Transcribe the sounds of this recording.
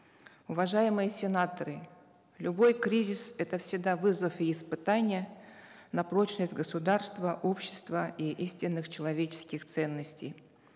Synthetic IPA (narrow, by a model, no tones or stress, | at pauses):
ʊvɐʐajɪmɨjəsʲɪnat̪əɾɨ | lʲʊbo̞jkɾʲizʲɪsɛt̪əfsʲɪɡd̪avɨzəfiːspɨt̪anʲɪjənɐpɾot͡ɕnəsʲtʲɡəsʊd̪arst̪vəʔo̞pɕːɪ̥st̪vəiʔisʲtʲɪnːɨxt͡ɕɪlˠɐvʲet͡ɕɪ̥skʲɪxt̪sɛnːəsʲtʲej